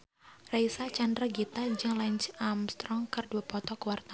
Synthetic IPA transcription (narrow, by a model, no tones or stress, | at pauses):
raisat͡ʃandɾaɡit̪ad͡ʒɨŋlaɲt͡ʃamst̪ɾɔŋkɨrduapɔt̪ɔkuwart̪a